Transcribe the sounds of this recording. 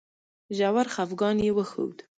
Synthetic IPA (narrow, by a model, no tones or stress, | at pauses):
ʒawaɾxafɡɑnjewəxə̰wd̪